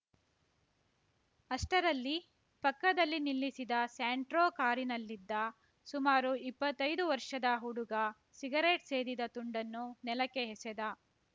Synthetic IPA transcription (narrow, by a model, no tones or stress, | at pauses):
ɐʂʈɐɾɐlːi | pɐkːɐd̪ɐlːinilːisid̪ɐsaːɳʈɾoːkaːɾinɐlːid̪ːɐ | sumaːɾuipːɐt̪ːɐjd̪uʋɐɾʂɐd̪ɐɦuɽuɡɐ | siɡɐɾeʈse̞ːd̪id̪ɐt̪uɳɖɐnːunɛlɐkeɦesɛd̪ɐ